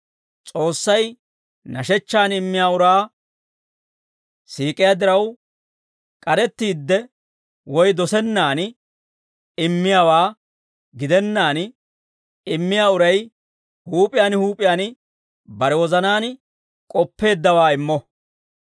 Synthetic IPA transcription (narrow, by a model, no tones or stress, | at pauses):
t͡sʼo̞ːsːɐj | nɐʃɛt͡ʃːaːnɪmːɪjaːʊɾaː | siːkʼɪjaːd̪ɪɾɐw | kʼɐɾɛt̪ːiːd̪ːɛ | wɔjd̪ɔsɛnːaːn | ɪmːɪjaːwaː | ɡɪd̪ɛnːaːn | ɪmːɪjaːʊɾɐj | huːpʼɪjaːnhuːpʼɪjaːn | bɐɾɛwɔzɐnaːn | kʼɔpːe̞ːd̪ːɐwaːɪmːɔ